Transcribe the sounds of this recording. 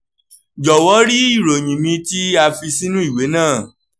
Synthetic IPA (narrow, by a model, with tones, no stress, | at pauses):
d͡ʒɔ˨wɔ˨˦ɾi˦i˦˨ɾo˨ɲ̃ĩ˨mĩ˧ti˦a˧fi˧si˦nũ˦i˦˨we˨˦nãː˦˨